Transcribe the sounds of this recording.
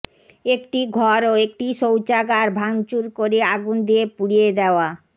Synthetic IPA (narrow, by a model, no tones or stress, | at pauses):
ekʈiɡʱɔɾoek̚ʈiʃowt͡ɕaɡaɾbʱaŋt͡ɕuɾkoɾeaɡund̪iepuɽijed̪eoa